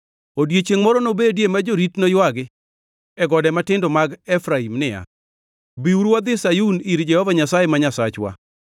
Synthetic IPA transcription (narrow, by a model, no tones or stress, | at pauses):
odjet͡ʃeŋmɔɾɔnobedjemad͡ʒoɾitnojwaɡɪ | ɛɡɔdɛmatɪndɔmaɡɛfɾaimnɪa̰ | biuɾwad̪ɪsajuniɾd͡ʒɛhɔvaɲasajemaɲasat͡ʃwa̰